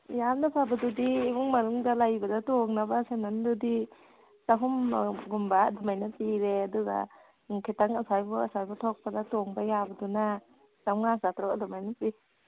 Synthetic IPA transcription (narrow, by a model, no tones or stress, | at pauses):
jamnapʰabɐdudiːbuŋmanuŋdalajbɐdatoŋnabasenandudi | saɦumɡumbaːdɔmajnapiɾeaduɡa̰ | kʰitaŋasajbɔasajbɔtʰɔk̚padatoŋbajabɐduna | samŋasatɾɔkadɔmajnapi